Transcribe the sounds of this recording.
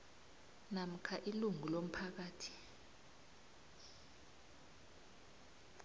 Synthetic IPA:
nam̩kʰaʔiluŋʱulom̩pʰak̬aːtʰi̥

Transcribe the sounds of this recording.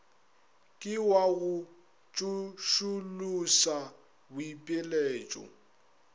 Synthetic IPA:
kʼɪwaɣʊ | t͡ʃʼuʃulusa | bʊipʼɪleːt͡ʃʼɔ̰

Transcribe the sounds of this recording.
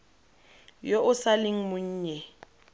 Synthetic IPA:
joʔʊsalɪŋ̩mʊɲ̩ːɲɛ

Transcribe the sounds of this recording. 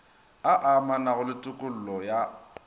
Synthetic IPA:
aʔamanaɣʊlɪtʼʊkʼʊl̩lɔja

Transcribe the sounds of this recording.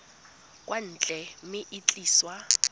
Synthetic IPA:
kʼwan̩ːt͡ɬʼɛmɪʔɪt͡ɬʼiːswa

